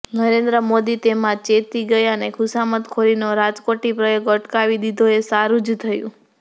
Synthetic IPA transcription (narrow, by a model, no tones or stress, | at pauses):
nəɾend̪ɾəmod̪it̪emãt͡ʃet̪iɡəjənekʰʊsamət̪kʰoɾinoɾad͡ʒkoʈipɾəjoɡəʈkaʋid̪id̪ʱoesaɾũd͡ʒt̪ʰəjṵ̃